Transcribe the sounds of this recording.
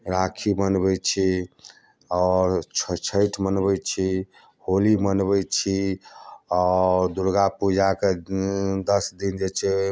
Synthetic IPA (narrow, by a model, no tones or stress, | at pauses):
ɾakʰimənbɛt͡ʃʰi | ɔɾʰt͡ʃʰəjʈʰmənbɛt͡ʃʰi | holimənbɛt͡ʃʰi | ɔɾd̪uɾɡapud͡ʒake | d̪əsd̪ind͡ʒet͡ʃʰe